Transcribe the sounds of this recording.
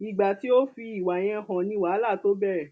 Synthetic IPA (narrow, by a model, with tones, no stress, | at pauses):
i˨ɡ͡ba˨ti˦o˦fi˧i˦˨wa˨j̃ɛ̃˧˦hɔ̃˨nĩ˧˦waː˨˦la˦˨to˦bɛ˦ɛ˨